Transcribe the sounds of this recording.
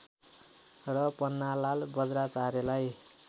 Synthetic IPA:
rʌpʌnːalalbʌd͡zɾat͡saɾelaj

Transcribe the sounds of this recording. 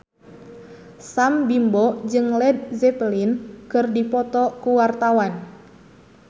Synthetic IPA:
sambimbɔd͡ʒɨŋlɛd̚zɛpəlinkɨrdipɔt̪ɔkuwart̪awan

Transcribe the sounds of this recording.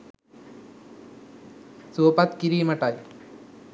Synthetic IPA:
soːpat̪kiɾiːmɐʈaj

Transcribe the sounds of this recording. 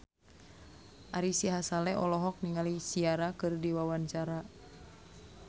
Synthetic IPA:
ʔaɾisiɦasalɛʔɔlɔɦɔk̚niŋalisiaɾakɨrdiwawaɲt͡ʃaɾa

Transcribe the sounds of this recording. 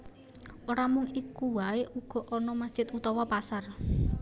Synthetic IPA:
ʔoɾamʊŋikuwaeʔuɡ̥ɔ̤ʔɔnɔmasd̥ʒ̥ɪt̪ut̪ɔwɔpasar

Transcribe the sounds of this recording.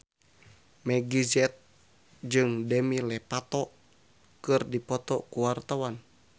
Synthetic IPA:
mɛɡizɛt̪̚ | d͡ʒɨŋdɛmilɛpat̪ɔ | kɨrdipɔt̪ɔkuwart̪awan

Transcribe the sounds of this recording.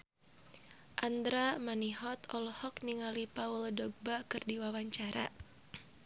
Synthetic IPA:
ʔand̪ɾamaniɦɔt̪ɔlɔhɔkniŋalipauldɔɡ̚bakɨrdiwawaɲt͡ʃaɾʔa̰

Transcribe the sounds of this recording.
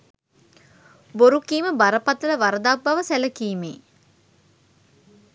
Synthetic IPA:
boɾukiːməbaɾəpat̪ələʋaɾəd̪ak̚baʋəsæləkiːmḛː

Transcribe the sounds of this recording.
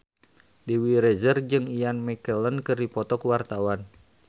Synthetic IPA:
diwiɾɛzərd͡ʒɨŋijanmikələnkɨrdipɔt̪ɔkuwart̪awan

